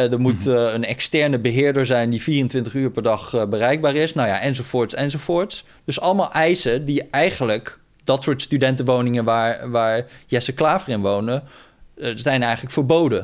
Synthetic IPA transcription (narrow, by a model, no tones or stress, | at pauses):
dəɹmutənɛkstɛɹnəbəɦɪːɹdəɹzɛjndiviːrəntʋɪntəχyːɹpɛɹdɑχbərɛjɡ̚baːɹɪsnawja̰ʔɛnzovʊːɹtsɛnzowvʊːɹts | d̥ɵsɑləmaːlˠʔɛjsədiɛjχənlək | dɑtsʊːɹtstydɛntəʋownɪŋənʋaːɹʋaːɹjɛsəklaːvərɪnʋownə | zɛjnɛjχələkfəɹbowdə